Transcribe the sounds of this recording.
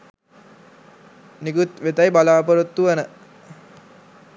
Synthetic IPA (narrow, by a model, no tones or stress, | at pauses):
nikut̪ʋet̪ajbalaːpəɾut̪ːuʋanə